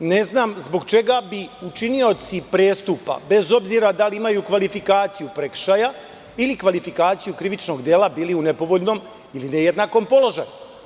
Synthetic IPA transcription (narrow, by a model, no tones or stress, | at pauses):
ne̞znaːmzbo̞ɡt͡ʃe̞ɡabiut͡ʃinio̞t̪sipɾe̞ːst̪upa̰be̞zo̞bziːɾad̪aliimajukʋalifikaːt̪sijupɾe̞kʃaja | ilikʋalifikaːt̪sijukɾiʋit͡ʃno̞ɡd̪eːlabiːliune̞po̞ʋo̞ʎno̞m | ilinejed̪naːko̞mpo̞lˠo̞ʒaju